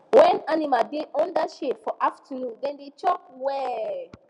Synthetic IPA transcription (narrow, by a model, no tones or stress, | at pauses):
wɛ̃nanimadeʔɔ̃ndaʃefɔʔaftʰənũndɛ̃ndet͡ʃɔk̚wɛ